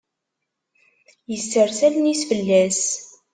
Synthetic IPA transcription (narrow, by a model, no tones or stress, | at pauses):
jəsːəɾsælnisfəlːæs